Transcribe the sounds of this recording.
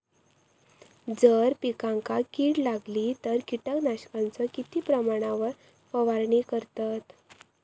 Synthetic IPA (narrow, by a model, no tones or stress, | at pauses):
d͡zəɾpikãŋkakiːɽlaɡliːt̪əɾkiʈəknaɕkãnt͡səkit̪iːpɾəmaɽ̃aʋəɾ | pəʋaɾɳikəɾt̪at̪